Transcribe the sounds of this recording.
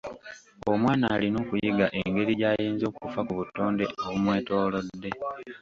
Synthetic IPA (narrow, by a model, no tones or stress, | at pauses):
omwaːnaːlino̞ːkujiɡaʔe̞ŋɡe̞ɾiɟaːjeːnzo̞ːkufakuβutːo̞ːnde̞oβumwe̞ːto̞ːlo̞dːe̞